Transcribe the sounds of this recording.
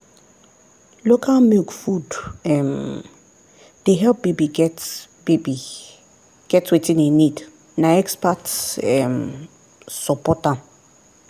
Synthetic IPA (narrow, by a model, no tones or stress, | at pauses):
lokʰalmilkfudɛm | d̥eɦɛlp̚bebiɡɛtbebi | ɡ̥ɛtwetĩninid | naɛkspatɛm | sɔpɔtã